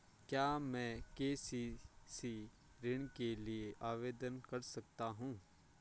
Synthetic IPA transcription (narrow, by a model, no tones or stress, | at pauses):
kjaːmɛ̃ːkeːsisi | ɾɪɳ̃kelieʔaːʋeːd̪ənkɐɾsɐk̚t̪aɦũː